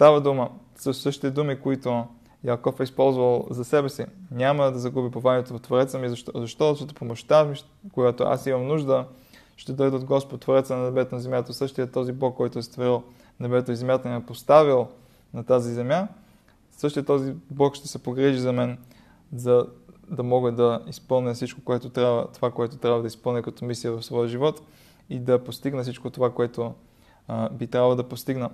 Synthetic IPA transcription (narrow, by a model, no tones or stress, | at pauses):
st̪avəd̪umə | səssəʃt̪i̥t̪ɛd̪umikoit̪o | jakɔfɛispɔlˠzvəlˠzɐsɛbɛsinʲaməd̪ɐzɐɡubipovanɛt̪onɐt̪voɾɛt̪səmizɐzɐʃt̪ɔsɔt̪o̥pomoʃt̪ami | koɡat̪oʔa̰simɐmnuʒd̪ə | ʃt̪ɛd̪ɔjd̪ɛod̪ɡɔspod̪t̪voɾɛt̪sənɐnɛbɛt̪onɐzɛmjat̪əsɤʃt̪ijət̪ɔziblˠɔkːɔjt̪ʊɛst̪voɾilˠ | nɛbɛt̪oɛzɛmjat̪ənɛpost̪avilˠ | nɐt̪azizɛmja | sɤʃt̪ijət̪ːɔziblˠɔkʃt̪ɛsɛpoɡɾɛʒizɐmɛn | zɐd̪ɐmɔɡəd̪ɐispɤlˠniəfsit͡ʃko̥koɛt̪ot̪ɾʲavə̰t̪ovakoɛt̪ot̪ɾʲavɐd̪ɐispɤlˠnʲɛkɐt̪ɔmislijəvɐfsvɔjəʒivɔt̪ | id̪ɐpost̪iɡnəfsit͡ʃkot̪ovakoɛt̪o | bit̪ɾʲavəlˠd̪ɐpost̪iɡnə